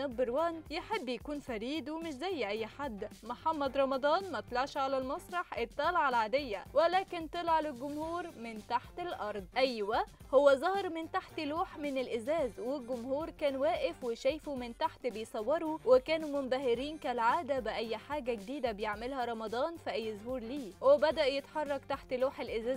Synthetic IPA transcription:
æbːɪɾwæːnjeħebːjakuːnfæɾiːd̪wemɪʃzæjːʔæjːħad̪ːmoħamːæd̪ɾˤɑmɑd̪ˤɑːnmæt̪lɑʕʃʕalælmɑsˤɾˤɑħʔɪt̪ˤːɑːlɑʕalʕaːd̪ejːæwælæːkɪnt̪ɑlʕalɪlɡʊmhuːɾmɪnt̪aħt̪ɪlʔɑɾˤd̪ˤʔæjːwæ | howːæzˤɑhɾˤmɪnt̪aħt̪luːħmɪnelʔɪzæːzwelɡʊmhuːɾkæːnwæːʔɪfweʃæjfumɪnt̪aħt̪bejsˤɑwːɑɾˤuwɪkæːnumʊnb̪æhɪɾiːnkælʕaːd̪æbɪʔæjːħaːɡæɡd̪iːd̪æbejeʕmelhæɾˤɑmɑd̪ˤɑːnfiʔæjːzʊhuːɾliːwɪbæd̪æʔjet̪ħɑrˤːɑkt̪aħt̪luːħelʔɪzæːz

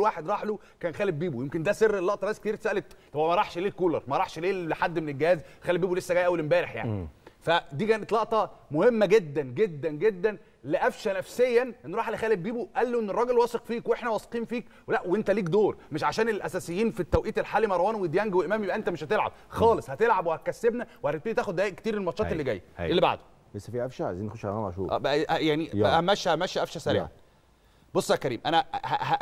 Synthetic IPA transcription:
waːħed̪ɾˤɑːħlo | kæːnxæːlebbiːbujemkend̪æserːelːɑʔt̪ˤɑbæsːkt̪iɾt̪sæʔælet̪t̪ːˤɑbmæɾˤɑħʃleːlkuːlɑ̰ɾˤmæɾˤɑːħʃleːħad̪ːmenelɡehæːzxæːlebiːbulesːæɡæjːʔæwːælembæːɾeħja̰ʕnḭfæd̪iːkæːnet̪lɑʔt̪ˤɑmohemːæɡed̪ːænɡed̪ːænɡed̪ːæn | leʔæfʃænæfsejːænʔenːɾˤɑːħlexæːlebbiːbuʔælːoʔenːerˤːɑːɡelwɑːsˤeqfiːkweʔeħnæwæsˤqiːnfiːk | welæʔweʔent̪æliːkd̪oːɾmeʃʕaʃæːnelʔæsæːsejːiːnfit̪ːæwʔiːt̪elħaːlimɑɾˤɑwæːnwed̪jæŋɡweʔemæːmjebʔæʔent̪æmeʃhæt̪elʕa̰b̥̚ | xɑːlesˤhæt̪elʕabwehæt̪̚kæsːebnæwehæɾid̪̚teːit̪æːxod̪ːææːʔeʔkt̪iːɾelmɑt̪ʃɑːt̪elːiɡæ̰jːelːiba̰ʕd̪o̥ | lesːæfiːʔæfʃæa̰ziːnxoʃlæmɑ̰ʕʃṵːʔæ̰ːbæʔjaʕniæʔhæmæʃːæhæmæʃːæʔæfʃæsæɾḭʕæ̰n | bosˤːækæɾḭːmʔæ̰næhæhæ

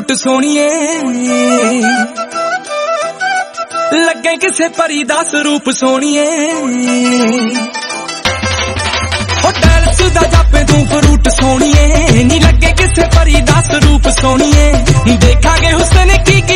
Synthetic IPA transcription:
ʈsoːɽ̃iːɛː | ləɡːeːkɪseːpəɾiːd̪asɾuːpsoːɽ̃iːɛː | ɦoːʈɛːɾsʊːd̪aːd͡ʒaːpẽːt̪ũːpəɾuːʈsoːɳ̃iːɛːnĩːləɡẽːkɪseːpəɾiːd̪asɾuːpsoːɽiːɛːd̪eːkʰãːɡeːɦʊseːnẽːkiːk

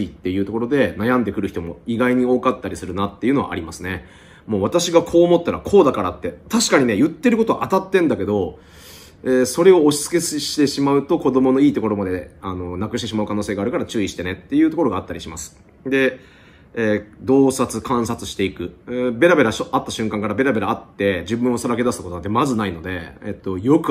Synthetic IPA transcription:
it̪ːe̞jɯ̟ːt̪o̞ko̞ɾo̞d̪e̞najãnd̪e̞kɯ̟ɾɯ̟çi̥t̪o̞mo̞̰iɡaiɲ̟io̞ːkat̪ːaɾʲisɨɾɯ̟nat̪ːe̞jɯ̟no̞βa̰a̰ɾʲimasɨne̞ | mo̞ːβat̪aɕiɡakʰo̞ːmo̞t̪ːaɾa̰kʰo̞ːd̪akaɾa̰t̪ːe̞t̪aɕi̥kaɲ̟ine̞jɯ̟t̪ːe̞ɾɯ̟ko̞t̪o̞a̰ʔat̪at̪ːẽ̞nd̪ake̞d̪o̞ | eːso̞ɾe̞o̞ːɕi̥t͡sɨ̥ke̞sɕi̥t̪e̞ɕimaɯ̟t̪o̞ko̞d̪o̞mo̞no̞iːt̪o̞ko̞ɾo̞mad̪eano̞nakɯ̟ɕit̪̬imaɯ̟kano̞ːseːɡaːɾɯkaɾat͡ɕɨːiɕi̥t̪ene̞t̪ːe̞jɯ̟ːt̪o̞ko̞ɾo̞ɡaːt̪ːaɾʲiɕimasɨ̥ | d̪e̞ː | d̪o̞ːsat͡sɨkãɰ̃sat͡sɨ̥ɕi̥t̪e̞ikɯ̟be̞ɾabe̞ɾaɕoat̪ːaɕɨ̃ŋkãŋkaɾabe̞ɾabe̞ɾaːt̪ːe̞d͡ʑibɯ̟̃ɰ̃o̞saɾake̞d̪asɨt̪akot̪onãnt̪emazɨnaino̞d̪e̞̰ḛt̪ːo̞jo̞kɯ̟

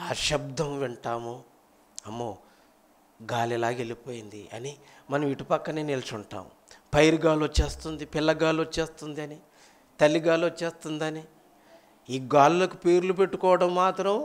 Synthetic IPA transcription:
aːʃɐb̚d̪ɐmʋɛɳʈaːmo | ɐmːoː | ɡaːlɛlaːɡe̞lipo̞ːjind̪iʔɐ̰nimɐnɐmʋiʈupɐkːɐneːnilɐt͡ʃuɳʈa̰ːm | pɐjɾuɡaːlot͡ʃe̞ːst̪und̪ipilːɐɡaːlot͡ʃːe̞ːst̪und̪iɐni | t̪ɐlːiɡaːlot͡ʃːe̞ːst̪und̪ɐni | iːɡaːlulɐkupeːɾlup̬e̞ʈːukɔːʋɐɽɐmːaːt̪ɾɐm

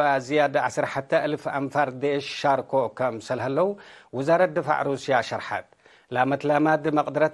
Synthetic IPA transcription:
azijad̪ʕa̰sɐɾħat̪ʰɐʔɨlfamfaɾd̪eʃːaɾkʰokʰɐmsɐlhɐlːɐwuwʊzaɾɐd̪ɨfa̰ʕɾusijaʃɐɾħa̰t̪̚ | lamɐt̪lamad̪ɨmɐqʼd̪ɾɐt̪

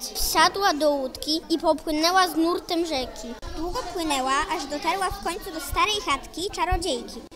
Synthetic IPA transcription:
fɕad̪wad̪ɔwut̪kʲiipɔpwɘnɛwaznuɾt̪ɛmʐɛkʲid̪wuɡɔpwɘnɛwaʔaʐd̪ɔt̪aɾwafkɔɲt̪sud̪ɔst̪aɾɛjxat̪kʲit͡ʂaɾɔd͡ʑejkʲi

